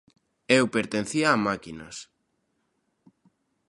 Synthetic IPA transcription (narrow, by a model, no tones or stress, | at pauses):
ewpeɾt̪en̟θiaːmakinɐ̰s